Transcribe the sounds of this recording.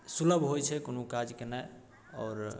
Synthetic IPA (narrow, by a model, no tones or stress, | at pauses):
suləbʱɦojt͡ʃʰɛkonokad͡ʒkenaj | ɔ̰ːɾ